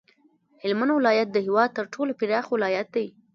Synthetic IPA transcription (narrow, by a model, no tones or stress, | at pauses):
hɪlmanwɪlɑjat̪̚d̪əhɪwɑd̪̚t̪əɾʈʰolopiɾɑxwɪlɑjat̪̚d̪aj